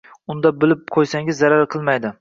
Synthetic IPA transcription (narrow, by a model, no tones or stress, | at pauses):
ʊnd̪abɪlɪp̚qʰojsaŋɪzːaɾaɾqʰɨlˠmajd̪ɪ